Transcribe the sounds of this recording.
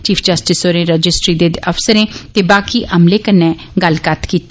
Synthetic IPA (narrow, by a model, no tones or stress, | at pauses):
t͡ʃiːpʰd͡ʒəsʈɪsoːɾẽːɾəd͡ʒɪsʈɾiːd̪eːd̪əfsəɾẽːt̪eːbaːkiːʔəmleːkənːɛː | ɡəlkət̪kiːt̪ː